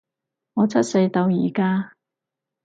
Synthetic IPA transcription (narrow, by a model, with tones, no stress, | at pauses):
ŋɔː˨˧t͡sʰɐ˦˥t̚se˧jt̪ɐ˧wjiː˨˩kaː˥